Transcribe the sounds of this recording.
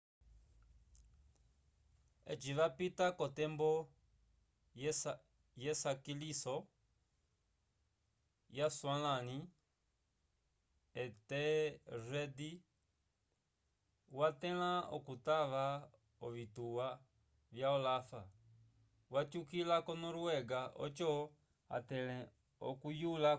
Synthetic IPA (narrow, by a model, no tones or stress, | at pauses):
ɛ̰t͡ʃiʋapitakɔtɛmbɔ | jɛsakilisɔ | jaswalani | ɛtɛrɛdi | watɛlaɔ̰kutaʋa | ɔvituwa | vjaɔlafa | wat͡ʃukilakɔnɔɾuwɛɡaʔɔ̰t͡ʃɔ | a̰tɛlɛ | ɔ̰kujula